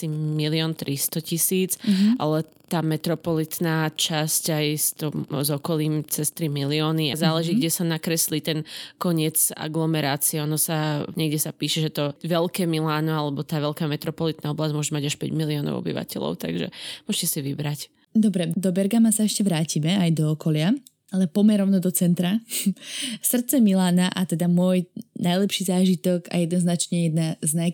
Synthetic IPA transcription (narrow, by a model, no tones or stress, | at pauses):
similiɔːnt̪ɾʔist̪ɔcisiːt͡sʔa̰lɛt̪aːmɛt̪ɾɔpɔlit̪naːt͡ʃascajst̪ɔmzɔkɔliːmt͡sɛst̪ɾimiliɔːniazaːlɛʒiːɡɟɛsanakɾɛsliːt̪ɛnkɔɲɪɛd͡za̰ɡlɔmɛɾaːt͡siɛɔnɔsaɲɛɡɟɛsapiːʃɛʒɛt̪ɔʋɛlkɛːmilaːnɔalɛbɔt̪aːʋɛlkaːmɛt̪ɾɔpɔlit̪naːɔblazɟmʊɔʒɛmaɟaʃpɛɟmiliɔnɔ̰ʊɔ̰bḭʋa̰cɛ̰lɔ̰ʊt̪a̰ɡʒɛ̰mʊɔʃcɛsiʋibɾac | d̪ɔbɾɛd̪ɔbɛɾɡamasaɛʃcɛʋɾaːcimɛajd̪ɔːkɔlɪa | alɛpɔmɛɾɔʊnɔd̪ɔt͡sɛnt̪ɾa | sr̩t̪t͡sɛmilaːnaʔat̪ɛd̪amʊɔjnajlɛpʃiːzaːʒit̪ɔɡa̰jɛd̪nɔznat͡ʃɲɛjɛd̪naznaj